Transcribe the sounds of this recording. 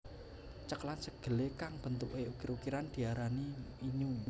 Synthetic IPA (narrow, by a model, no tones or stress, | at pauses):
t͡ʃəklansəɡ̥ə̤lekaŋb̥ə̤nt̪uʔweukɪɾukiɾand̪̥i̤aɾaniiɲu